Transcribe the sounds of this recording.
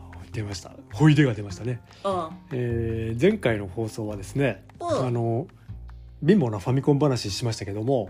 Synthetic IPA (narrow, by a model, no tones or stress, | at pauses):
d̪e̞maɕi̥t̪a̰ho̞id̪e̞ɡad̪e̞maɕi̥t̪ane̞ | eːd͡zẽ̞ŋkaino̞ho̞ːso̞ːβ̞ad̪e̞sɨne̞ | ano̞ | bʲĩmbo̞noɸamʲikõmbanaɕiɕimaɕi̥t̪ake̞d̪o̞mo̞